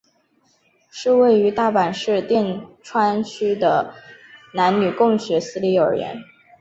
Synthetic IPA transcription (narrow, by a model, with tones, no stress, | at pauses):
ʂɻ̩˥˧we˥˩ɪy˧˥t̪a˥˩pa˨˩nʂɻ̩˥˧t̪jɛ˥˩nʈ͡ʂʰwa˥nt͡ɕʰy˥d̪ə˨ | na˧˥nny˨˩kʊ˥˩ŋɕɥɛ˧˥sɹ̩˥li˧˥ə̰˞˨˩ɥɛ̰˧˥n